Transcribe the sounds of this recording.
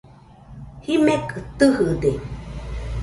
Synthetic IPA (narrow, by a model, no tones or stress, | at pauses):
himekʰɯt̪ɨhɯd̪e